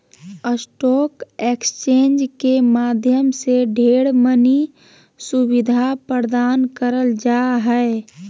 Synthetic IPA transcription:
əsʈɔːkekst͡ʃẽːnd͡ʒkemad̪ʱjəmseɖʱeɽməni | subid̪ʱapəɾd̪ankəɾəld͡ʒaɦɛe

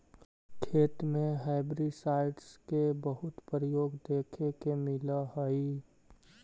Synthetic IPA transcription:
kʰeːt̪mẽɦaːɪbɾiɖsaːɪɖskebəɦʊt̪pɾəjoːɡd̪eːkʰekemɪlaɦəi

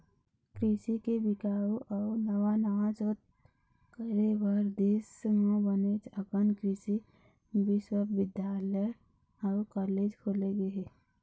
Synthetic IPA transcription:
kɾisikebɪkaːuʔɔːnəʋanəʋad͡ʒoːt̪̚ | kəɾebəɾd̪eːsmõbənet͡ʃəɡənkɾisi | bɪswəbʋɪd̪jaːləj | ɔːkɔːleːd͡ʒkʰoːleɡeɦe

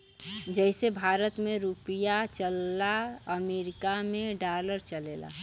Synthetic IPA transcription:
d͡ʒəɪsebʱaːɾət̪mẽɾupijat͡ʃəlːaəmeːɾɪkamẽɖaləɾt͡ʃəleːla̰

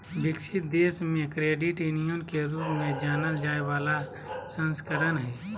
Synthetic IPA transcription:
bɪkʃɪt̪̚d̪eːsmẽkɾeːɖɪʈjʊnijõnkeɾuːpmẽd͡ʒaːnəld͡ʒaːeʋaːla | sə̃nskəɾənɦɛː

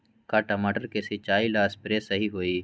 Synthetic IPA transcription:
kaːʈɐmaːʈəɾkesɪt͡ʃaːilaːspɾesɐɦiɦoːiː

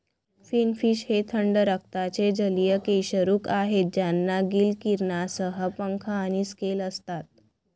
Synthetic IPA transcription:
finfiɕhet̪ʰəɳɖəɾək̚ʰt̪at͡sed͡ʑəlijəkejɕəɾuːkaɦet̪̚d͡ʑjanːaɡilkiɾɳasəɦəpəŋkʰaːñiskeləst̪at̪̚

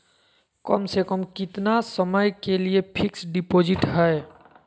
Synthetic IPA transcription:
kəmsekəmkɪt̪nasəməjkeliepʰiksɖipod͡ʒɪʈɦəe

